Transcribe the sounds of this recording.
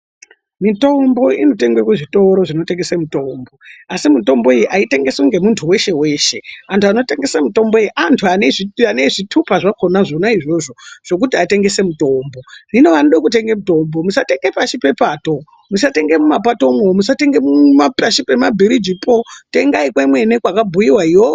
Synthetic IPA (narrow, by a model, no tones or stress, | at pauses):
mito̞mbo̞ino̞te̞ŋɡwekeʐito̞ɾo̞ʐinoteŋɡesemuto̞mbo̞asimuto̞mbo̞ijiʔaite̞ŋɡe̞soŋɡe̞muntʰuwe̞ʃe̞we̞ːʃe̞antʰuano̞te̞ŋɡe̞samuto̞mbo̞ijiʔantʰuaneʐianeʐitʰupaʐakonaʐonaiʐo̞ʐo̞ʐ̥o̞k̬utiate̞ŋɡe̞se̞muto̞ːmbo̞rino̞ʋanoɗekute̞ŋɡemuto̞mbo̞musate̞ŋɡepaʃipe̞pato̞ | musate̞ŋɡe̞mumapato̞mwomusate̞ŋɡe̞mumapaʃipe̞mabʱiɾid͡ʒipote̞ŋɡaikwemwe̞nekwakabʱujiwaiwo